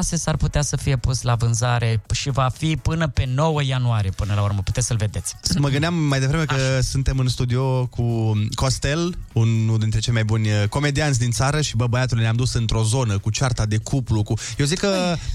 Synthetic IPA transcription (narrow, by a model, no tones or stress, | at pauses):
asesarput̪easəfije̞puslavɨnzaɾe̞ʃivafipɨnəpe̞no̞wəjanuaɾije̞pɨnəlaurməpu̥t̪esʲsəlve̞d̪e̞t̪sʲməɡɨnd̪ʲamːajd̪e̞vɾeme̞kəsunt̪e̞mɨnst̪ud̪io̞kuko̞st̪e̞lunuld̪int̪ɾe̞t͡ʃe̞jmajbunʲko̞me̞d̪iant̪ʲd̪int̪saɾəʃibəbəjat̪ulnamd̪usɨnt̪ɾo̞zo̞nəkut͡ʃart̪ad̪e̞kuplukujewzikːə